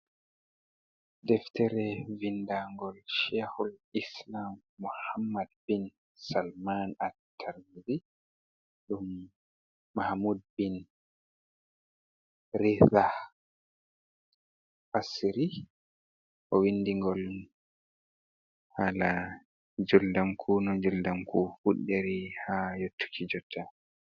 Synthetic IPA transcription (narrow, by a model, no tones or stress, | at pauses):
dɛftʰɛɾɛvindaŋɡɔlʃɛhɔlislamːuhamːadbin | salmanatʰːaɾmiɾi | ɗumː | ahmud̚bin | ɾiza | ʔasiɾi | ʔɔwinːdiŋɡɔl | hala | d͡ʒɔldamkʰunɔd͡ʒɔldamkʰufuɗːeɾihajotʰːu̥kʰid͡ʒɔtʰa